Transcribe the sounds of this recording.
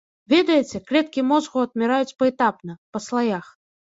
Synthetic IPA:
vʲɛd̪ɐjɛt͡sʲɛkɾʲɛt̪kʲimɔzɣuɐd̪̚mʲɛɾajut͡sʲpɐɛt̪apnɐpɐslˠajax

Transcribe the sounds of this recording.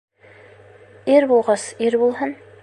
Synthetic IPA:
iɾbulˠʁɤsiɾbulˠhɤn

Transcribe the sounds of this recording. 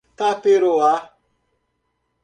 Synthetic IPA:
tapeɾoa

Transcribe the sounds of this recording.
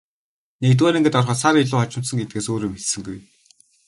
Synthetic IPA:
nekt̪̬wæːnĕŋɡĕt̪ɔrχɔːsaɾiɮʊːχɔt͡ɕɪ̆m̥t̪sə̆ŋɡet̪̚ɡeːsoːɾiːmet̪sɘ̆ŋɡuj

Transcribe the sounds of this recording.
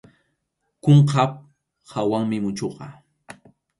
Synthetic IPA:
koɴqap̚ | hawaŋmɪmʊt͡ʃoqɑ

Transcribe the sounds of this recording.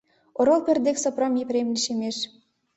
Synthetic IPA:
oɾŏlpʲĕrd̪eksŏpromʲjeprʲemlʲiʃemeʃ

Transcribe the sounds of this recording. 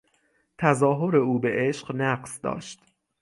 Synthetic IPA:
t̪ʰæzɒːɦo̞ɾe̞uːbe̞ʔeʃɢnæɢsd̪ɒ̰ːʃt̪

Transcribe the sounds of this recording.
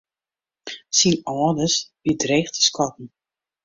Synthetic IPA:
sinɔdəsbidreːχtə̥skʰɔtn̩

